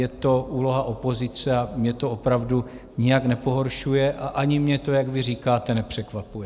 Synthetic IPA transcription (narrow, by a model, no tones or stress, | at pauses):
jɛt̪o̞ʔuːlo̞ɦaʔo̞po̞zɪt͡sɛamɲɛt̪o̞opɾavdu | ɲɪjaknɛpo̞ɦo̞ɾʃujɛʔʔaʔaɲɪmɲɛt̪o̞jaɡvɪriːkaːt̪ɛnɛpr̝̥ɛkvapujɛ